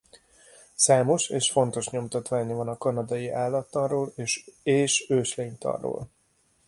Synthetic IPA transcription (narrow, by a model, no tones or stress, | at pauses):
saːmo̞ʃeːʃfo̞nt̪o̞ʃɲo̞mt̪ɒt̪ʋaːɲɒvɒnɒkɒnɒd̪ɒjiʔaːlːɒt̪ːɒroːleːʃeːʃøːʃleːɲt̪ɒ̰rːo̰ːl